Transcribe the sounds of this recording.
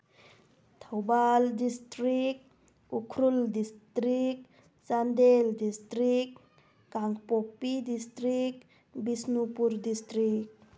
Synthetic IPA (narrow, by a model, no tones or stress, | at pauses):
t̪ʰəwbaldistɾik̚ | ukʰɾuldistɾik | sand̪eldistɾik | kaŋkpopːidist̪ɾik | bisnupuɾdistɾik̚